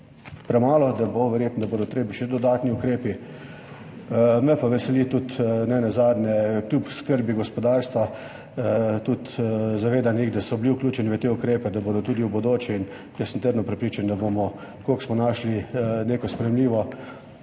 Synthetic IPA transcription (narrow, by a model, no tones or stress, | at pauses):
pɾɛmaːlɔd̪aboʋɛɾjeːt̪nɔd̪abod̪ɔt̪ɾeːbiʃɛd̪ɔd̪aːt̪niukɾeːpi | mɛpaʋɛsɛlit̪ut̪nɛnazaːd̪nɛklʲjupskəɾbiɡɔspɔd̪aːɾst̪ʋa | t̪ut̪zaʋeːd̪anixd̪asɔbliuklʲuːt͡ʃɛniʋət̪eukɾeːpɛd̪aboːd̪ɔt̪uːd̪iubod̪ot͡ʃɛin | jəsənt̪əɾd̪nɔpɾɛpɾiːt͡ʃand̪abomɔ | koksmɔnaːʃlineːkɔspɾɛjɛmliːʋɔ